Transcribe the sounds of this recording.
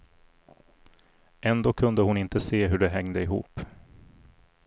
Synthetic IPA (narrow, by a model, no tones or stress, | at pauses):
ɛnd̪oːkʰɵnd̪əhʊnɪnt̪əseːɦɵɖɛɦɛŋd̪əɪɦṵːp